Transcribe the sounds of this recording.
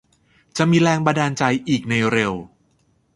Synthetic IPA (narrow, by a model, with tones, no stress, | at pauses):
t͡ɕa˨˩miː˧ɾɛː˧ŋba˧ndaː˧nt͡ɕa˧jʔiː˨˩k̚na˧jɾe˧w